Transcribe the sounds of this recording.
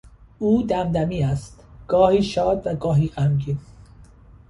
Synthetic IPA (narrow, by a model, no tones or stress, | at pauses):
uːd̪æmd̪æmiːæst̪ɡ̥ɒːhiːʃɒːd̪væɡɒːɦiːɣæmɟiːn